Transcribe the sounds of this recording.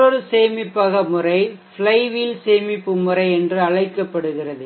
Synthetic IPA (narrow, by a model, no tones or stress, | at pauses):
ɔɾɯseːmɪpːɐɣɐmɯrɐɪfɭɐɪʋilseːmɪpːɯmːɯrɐɪɛndrɯɐɻɐɪkːɐpːɐɽɯɣɪrɐðɯ